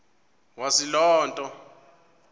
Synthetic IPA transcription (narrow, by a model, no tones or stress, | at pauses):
wasilɔːntʼɔ